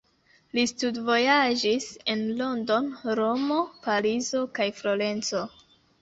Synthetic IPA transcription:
listudvo̞jad͡ʒise̞nlo̞ndo̞nɾo̞mo̞palizo̞kajflole̞nt͡so̞

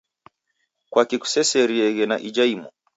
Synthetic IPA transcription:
kwakiku̥sɛsɛɾiɛɣɛnaʔid͡ʒaimṵ

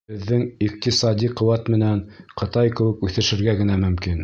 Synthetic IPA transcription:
bɘ̆ðːɘŋiq̚t̪isɑd̪ʲiqŏwɑt̪mɘ̆nænqɤ̆t̪ɑjkɘ̆wɘkʉθɘ̆ʃɘ̆ɾɡæɡɘ̆næmɵ̆mkin

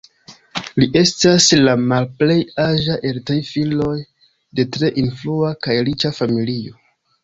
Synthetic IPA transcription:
liʔe̞staslamalple̞jaʒaʔe̞ltɾijfilo̞j | de̞tɾe̞ʔinfluakajɾit͡ʃafamilio̞

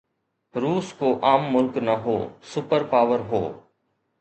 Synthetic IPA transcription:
ɾuːskoːʔaːmːʊlknəɦo̰ːsʊpəɾpaːʋəɾɦo̰ː

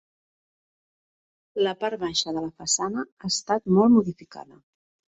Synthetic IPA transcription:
ləpaɾβaʃəðələfəsanəast̪at̪mɔlˠmuðifika̰ðə

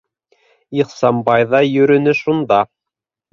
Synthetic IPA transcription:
iχsɑmbɑjðɑjɵ̆ɾɵ̆nɘʃund̪ɑ

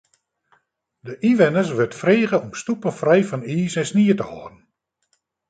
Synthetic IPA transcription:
dəʔiʋɛnəsʋʏtfreːɣəɔmstupənfrɛjfɑniːsɛnsniːətəhɔːdn̩

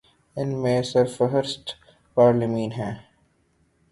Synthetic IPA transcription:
ɪnmẽsəɾfəɦəɾsʈ | paːɾlɪmĩːnɦɛ̃ː

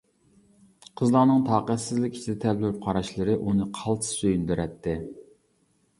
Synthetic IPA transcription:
qʰəzlˠɑnɨŋt̪ʰɑːqæt̪sɪzlɪkʲi̥t͡ʃʰid̪ɛt̪ʰɛllylyp̚qʰɑɾɑʃlˠɨɾɨʔunɨqʰɑlˠt̪ʰɨ̥søjynd̪yɾɛt̪ʰːɪ

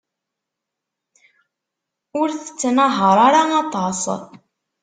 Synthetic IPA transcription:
ʊɾθə̥t͡sːnɑɦəɾˤaɾaɑt̪ˤɑsˤ

